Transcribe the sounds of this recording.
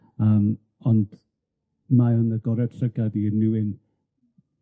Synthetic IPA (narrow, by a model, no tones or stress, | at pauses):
əːm | ɔnd̥ | maənəɡɔɾɛd̥tʰrəɡaðiənuwɪn